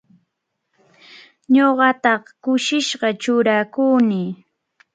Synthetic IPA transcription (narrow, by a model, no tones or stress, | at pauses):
ɲoɢɑt̪ɑχkʊʃɪʃɢɑt͡ʃʊɾakuːnɪ